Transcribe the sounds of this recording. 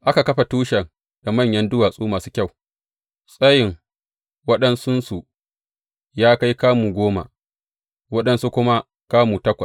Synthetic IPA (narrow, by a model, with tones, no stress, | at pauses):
ʔa˦ka˨kɐ˦ɸa˨tuː˦ʃɐ˨ŋ | da˨mɐ˦˨ɲjɐ˦ndʊ˦waː˨sʼuː˦maː˨suː˦kʲa˦˨w | sʼɐ˦jɪ˨ŋ | wɐ˦ɗɐ˦nsʊ˦nsu˨ | jaː˦ka˦jkaː˦muː˨ɡʷoː˦ma̰˨ | wɐ˦ɗɐ˦nsu˦kʷʊ˦ma˦ | kaː˦muː˨tɐ˦kʷɐ˨s